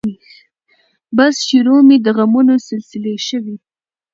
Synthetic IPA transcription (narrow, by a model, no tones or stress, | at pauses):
x | basʃiɾomid̪əɣamunosɪlsɪleʃəwi